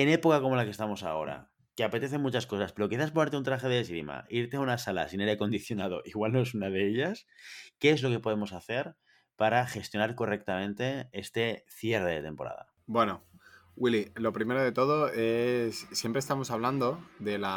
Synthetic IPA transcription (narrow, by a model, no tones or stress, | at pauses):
e̞ne̞pokako̞molakest̪amo̞sa̰o̞̰ɾa̰ | keape̞t̪e̞θe̞nmut͡ʃasko̞saspe̞ɾo̞kiθas̬pone̞ɾt̪eunt̪ɾaxe̞ðesɾima̰iɾt̪eaunasala̰sine̞ɾeko̞nd̪iθjo̞nað̞o̞̰ʔiɣwalnoe̞sunaðeeʎaske̞ezlo̞ke̞po̞ð̞e̞mo̞saθe̞ɾ | paɾaxe̞st̪jonaɾko̞re̞k̚t̪amẽnt̪e̞e̞st̪e̞θje̞ɾrðeðe̞t̪e̞mpo̞ɾa̰ða̰ | bwe̞nowililo̞pɾime̞ɾoðe̞t̪o̞ðoe̞sːje̞mpɾest̪amo̞saβland̪o̞ðe̞la